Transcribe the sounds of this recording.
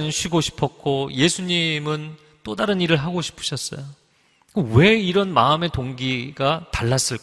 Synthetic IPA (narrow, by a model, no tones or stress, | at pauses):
nɯnɕʰiɡoɕʰi̥pʰʌk̚k͈ʰoje̞sʰuɲimɯn | t͈odaɾɯniɾɯɭɦaɡoɕʰi̥pʰɯ̥ɕʰʌs͈ʌ̰jo | kɯwe̞iɾʌnmaɯme̞toŋɡiɡataɭːas͈ɯɭk